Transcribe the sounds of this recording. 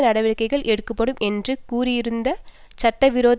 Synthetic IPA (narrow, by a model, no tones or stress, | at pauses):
nɐɽɐʋɪɭkːɐɪɣɐɭʔɛɽɯkːɐpːɐɽɯmɛndrɯkuːɾɪjɪɾɯnd̪ɐ | t͡ʃɐʈːɐʋɪɾoːð